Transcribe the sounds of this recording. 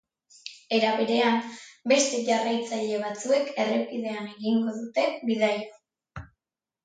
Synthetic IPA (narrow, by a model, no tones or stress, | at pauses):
e̞ɾaβe̞ɾe̞ambe̞st̪e̞ʝarajt͡saʎe̞β̞at͡sue̞ke̞re̞kiðe̞ane̞ɣiŋɡo̞ðut̪e̞βiðajo